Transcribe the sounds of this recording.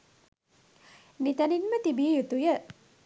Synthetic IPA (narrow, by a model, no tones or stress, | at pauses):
nit̪ɐninmət̪ibiːjut̪ujə